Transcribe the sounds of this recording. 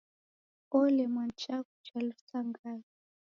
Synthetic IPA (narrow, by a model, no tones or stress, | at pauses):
ɔlɛmant͡ʃaku̥t͡ʃalutaŋɡai